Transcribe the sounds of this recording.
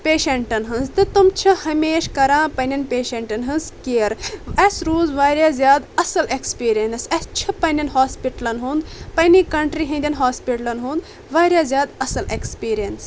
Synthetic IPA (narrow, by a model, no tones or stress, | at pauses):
peːʃeɳʈɐnɦɐnzt̪ɨt̪umt͡ʃʰɐhɐmeːʃkɐɾãːpɐnʲɐnpʲeːʃeɳʈɐnɦɨnzkeɾɐsɾuːzʋaːɾʲjaːzʲjaːd̪ɐsɐlekspiːɾijensɐst͡ʃʰɐpɐnʲɐnhaːspiʈɐlɐnɦũnd̪pɐnikɐɳʈɾiɦɐ̃nd̪ʲɐnɦaːspiʈɐlɐnɦũːnd̪ | ʋaːɾʲjaːzʲjaːd̪ɐsɐlekspiːɾijɐns